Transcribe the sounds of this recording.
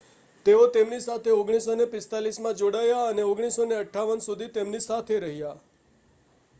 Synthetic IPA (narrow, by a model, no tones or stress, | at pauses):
t̪eot̪emnisat̪ʰeoɡɽ̃isonepɪst̪alismãd͡ʒoɽajaəneoɡɽ̃isoneəʈʰːaʋənsud̪ʱit̪emnisat̪ʰeɾəɦija